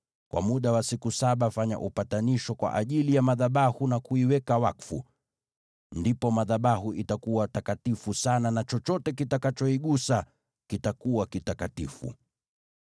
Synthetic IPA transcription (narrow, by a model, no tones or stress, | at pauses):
kwʔa̰muɗawasikusaɓafaɲa̰ʔupataniʃɔkwa̰ʔaʄilijamaðaɓahunakuiwɛkawakfṵ | ndipɔmaðaɓahuʔitakuwatakatifusananat͡ʃɔt͡ʃɔtɛk̬itakat͡ʃɔiɠusa | kitakuwakitakatifṵ